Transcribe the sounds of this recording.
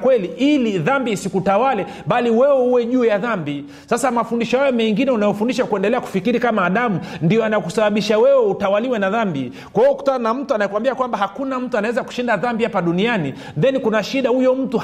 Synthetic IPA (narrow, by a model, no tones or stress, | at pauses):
kwɛliʔiliðambiːsikutawalɛ | ɓaliwɛwɛhuwɛʄuːjaðambi | sasamafundiʃɔjajɔmɛŋɡinɛunajɔfundiʃakuɛndɛlɛaku̥fikiɾikamaːɗamundijɔanajɛkusaɓaɓiʃawɛwɛutawaliwɛnaðambi | kwaiɔuku̥tananam̩tuanajɛkwambiakwambahakunam̩tuanawɛzaku̥ʃindaðambihapaɗuniani | nðɛnikunaʃiɗahujɔm̩tu